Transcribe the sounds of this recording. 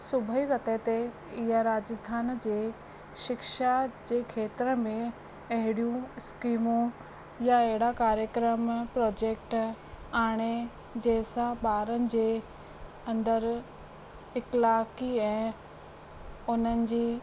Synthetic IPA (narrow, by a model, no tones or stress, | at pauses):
sʊbʱisɐt̪et̪e | ɪɦaɾaːd͡ʑəst̪ʰaːnd͡ʑeː | ʃɪkʃad͡ʑeːkʰeːt̪ɾəmẽ | ɐɦɪɽijũskiːmũ | jaeɦɪɽakaːɾjəkɾəmpɾɔːd͡ʑeːk̚ʈaːɽ̃e | d͡ʑeːsãɓaːɾənɪ̆d͡ʑeː | ɐ̃nd̪əɾ | ɪklaːkiɛ̃ː | ʊn̤ənɪ̆d͡ʑiː